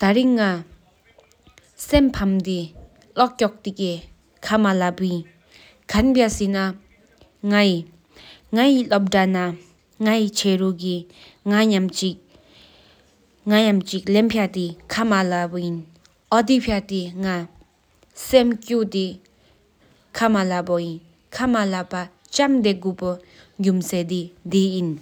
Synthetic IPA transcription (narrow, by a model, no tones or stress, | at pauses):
t̪aɹiŋːa | sempʰamt̪e | lɔʔ̚cɔk̚t̪ikeː | kʰamalaʔpujin | kʰanpasina | ŋaji | ŋajilop̚ʈ͡ʂana | ŋajit͡ɕʰeːɹuʔki | ŋaɲamt͡ɕiʔ | ŋajamt͡ɕik̚lempʰjat̪ikʰamalapojin | ʔɔd̪ipʰjat̪eŋa | semkut̪e | kʰamalapojin | kʰamalapa | t͡ɕamd̪eʔɡuːpo | ɡumseːd̪id̪ijin